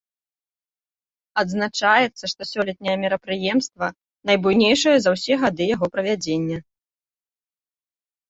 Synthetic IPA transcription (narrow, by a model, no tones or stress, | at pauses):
ɐd̪znat͡ʂajɛt̪sːɐʂt̪ɔsʲɔlʲɛt̪̚ʲnʲɛjɐmʲɛɾɐpɾɨjɛmst̪vɐ | nɐjbujnʲejʂɐjɐzɐwsʲɛɣad̪ɨjaɣɔpɾɐvʲad͡zʲenʲːɐ